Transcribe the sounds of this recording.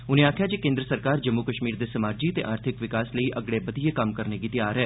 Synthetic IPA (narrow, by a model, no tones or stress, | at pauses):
ʊnẽːaːkʰjaːd͡ʒeːkẽːnd̪ɾəsəɾkaːɾd͡ʒəmːukəʃmiːɾd̪eːsəmaːd͡ʒiːət̪ḛːʔaːɾt̪ʰɪkʋɪkaːsləiːʔəɡɽeːbəd̪iːeːkəmkəɾneːɡiːt̪ɪjaːɾɦɛː